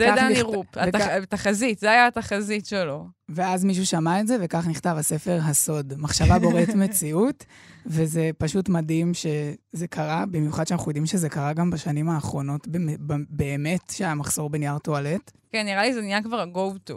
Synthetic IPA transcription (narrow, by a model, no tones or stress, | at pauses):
eaaiʁupaataχazitzeajaataχazitʃeloveazmiʃ̬uʃamaetzeve̞kaχniχt̪avasefe̞ʁɦaso̞dmaχʃavabo̞ʁetmet͡siut | ve̞zepaʃutmadimʃe̞zekʰaʁabimjuχad̪ʃeanaχujod̪imʃezekaʁaɡambaʃanimaːχʁo̞no̞tbebbeːme̞tʃeajamaχso̞ʁbenjaʁtoaletkenːiʁalizeniakvaʁaɡovtu